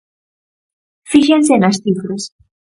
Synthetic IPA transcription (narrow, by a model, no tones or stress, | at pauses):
fixensenasθifɾos